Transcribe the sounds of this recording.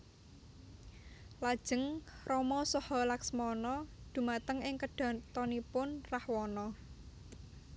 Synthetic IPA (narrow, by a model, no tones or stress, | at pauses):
lad̥ʒ̥ə̤ŋrɔmɔsɔhɔlaksmɔnɔd̪̥ṳmat̪əŋɪŋkəɖ̥ɔ̤t̪ɔnipʊnrahwɔnɔ